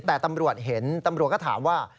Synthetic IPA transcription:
t̪ɛː˨˩t̪a˧mɾu˨˩ət̪̚ɦe˩˦nt̪a˧mɾu˨˩t̪̚kɔ˥˩t̪ʰa̰ː˩˦mwaː˥˩

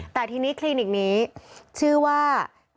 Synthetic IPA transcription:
t̪ɛː˨˩t̪ʰiː˧niː˦˥kʰliː˧ni˨˩k̚niː˦˥t͡ɕʰɯː˥˩waː˥˩

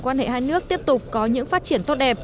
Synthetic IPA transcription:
kwaː˧nhḛ˧˨haː˧jnɨ˦˥ək̚t̪i˦˥əp̚t̪ʊ˨˩k͡p̚kɔ˨˦ɲɨ̰˧˥ŋfaː˦˥t̚t͡ɕi˧˩ənt̪o˦˥t̚ɗɛ˨˩p̚

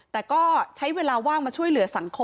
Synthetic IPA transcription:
t̪ɛː˨˩kɔː˥˩t͡ɕʰa˦˥jweː˧laː˧waː˥˩ŋmaː˧t͡ɕʰu˥˩əjlɯ˩˦ɐsa˩˦ŋkʰo˧

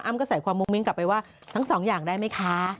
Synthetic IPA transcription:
ʔa˦˥˩mkɔː˥˩sa˨˩jkʰwaː˧mːu˧ŋmi˦˥ŋka˨˩pːa˧jwaː˥˩ | t̪ʰa˦˥ŋsɔː˩˦ŋjaː˨˩ŋdaː˥˩jma˦˥˩jkʰa˦˥

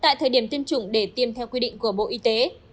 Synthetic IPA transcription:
t̪a̰ː˧˨jt̪ʰəː˨˩jɗi˧˩əmt̪i˧əmt͡ɕʊ˧˩ŋ͡mɗe˧˩t̪i˧əmt̪ʰɛ˧wkwi˧ɗḭ˧˨ŋ̟ku˧˩əɓo̰˧˨ʔi˧t̪e˨˦

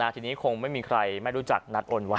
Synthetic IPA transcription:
aː˧˩t̪ʰiː˧niː˦˥kʰo˧ŋma˥˩jmiː˧kʰɾa˧jma˥˩jɾu˦˥t͡ɕa̰˨˩k̚na˦˥t̪̚ʔoː˧nwa˦˥

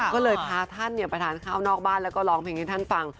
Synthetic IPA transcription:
kɔː˥˩lɤː˧jpʰaː˧t̪ʰa˥˩nːi˦˥˩ɐpɾa˧t̪ʰaː˨˩˦nkʰaː˥˩wnɔː˥˩k̚baː˥˩nlɛː˦˥wkɔː˥˩lɔː˨˦ŋpʰe˧ŋt̪aː˥˩t̪ʰa˥˩fa˧ŋ

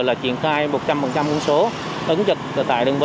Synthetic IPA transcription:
laː˨˩t͡ɕwi˧˩ənxaː˧jmo˨˩t̚t͡ɕa˧mfə˨˩nt͡ɕa˧mku˧nso˨˦ | ʔə˨˦ŋzə˨˩t̚ːt̪a̰ː˧˨jɗə˨˩ŋvə˨

